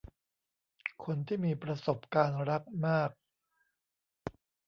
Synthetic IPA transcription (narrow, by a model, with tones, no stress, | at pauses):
kʰo˧nt̪ʰiː˥˩miː˧pɾa˧so˨˩p̚kaː˧nɾa˦˥k̚maː˥˩k̚